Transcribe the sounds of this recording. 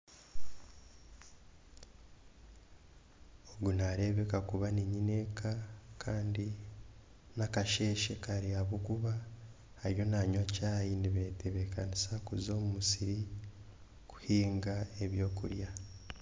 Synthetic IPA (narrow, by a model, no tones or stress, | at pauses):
oɡunaɾe̞βe̞kakuβaniɲine̞kakʰaːndi | nakaʃe̞ʃe̞kaɾiaβukuβa | hːɾjo̞naɲacaːjiniβeteβe̞kanisakuzo̞ːmumusiɾi | ku̥hiːŋɡaeβjo̞ːkṵɾja